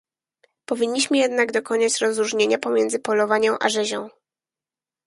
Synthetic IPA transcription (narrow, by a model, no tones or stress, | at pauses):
pɔvʲiɲːiɕmɘjɛd̪naɡd̪ɔkɔɲat͡ɕɾɔzɾuʐɲeɲapɔmʲjɛndzɘpɔlɔvaɲɛ̃w̃ʔa̰ʐɛʑɔ̃w̃